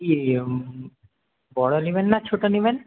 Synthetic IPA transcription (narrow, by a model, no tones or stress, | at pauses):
i | bɔɽolibenːat͡ɕʰoʈoniben